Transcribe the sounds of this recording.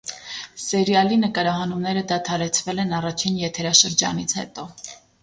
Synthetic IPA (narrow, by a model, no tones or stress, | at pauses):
sɛɾjɑlinəkɑɾɑɦɑnumnɛɾəd̪ɑt̪ʰɑɾɛt͡sʰvɛlɛnɑrɑt͡ʃʰinjɛt̪ʰɛɾɑʃəɾd͡ʒɑ̰nit͡sʰhɛ̰t̪ɔ